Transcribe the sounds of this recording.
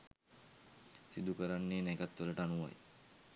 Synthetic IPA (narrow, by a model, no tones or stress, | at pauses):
sid̪ukəɾanːeːnɛɡat̪ʋələʈəanuʋa̰j